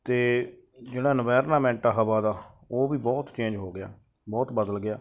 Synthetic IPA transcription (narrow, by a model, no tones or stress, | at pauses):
t̪eː | d͡ʒeːɽ̃aːnəʋɛːɾnaːmɛ̃ːɳʈaːɦəʋaːd̪aːoːʋiːbɔːt̪t͡ʃẽːɲd͡ʒɦoːɡɪja̰ː | bɔːt̪bəd̪əlɡɪjaː